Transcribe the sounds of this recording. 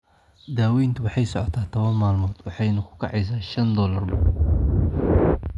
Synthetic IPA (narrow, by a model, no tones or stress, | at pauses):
d̪aːwɛjnt̪ʰʊwɑħɑjsɔʕɔt̪ʰaːt̪ʰɔβɐnmaːlmɔːd̪wɑħɑjnɐkʰʊ̥kʰɑʕɑjs̬aːʃɐnd̪ɔːlɐrbɐ